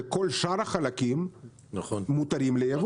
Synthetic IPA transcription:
kolʃaɾaχalakim | naχonːut̪aɾimlejav

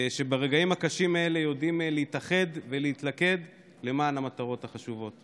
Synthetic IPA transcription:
ʃe̞baʁeɡaimakaʃimae̞le̞jo̞dimleit̪aχe̞d̪veleit̪lake̞d̪ | le̞maːnamat̪aʁo̞thaχaʃuvo̞t

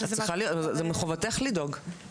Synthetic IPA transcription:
asʁiχalijzzemeχovat̪eχlidoɡ

